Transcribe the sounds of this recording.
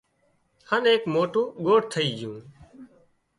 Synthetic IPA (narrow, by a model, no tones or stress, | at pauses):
həneːkmoːʈũːɠoːʈ̚t̪ʰəiːd͡ʒjũː